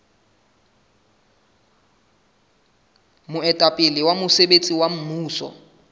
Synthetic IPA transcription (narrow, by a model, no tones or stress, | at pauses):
mʊɛtʼapʼɪlɪwamʊsebet͡sʼiwam̩muːsɔ̰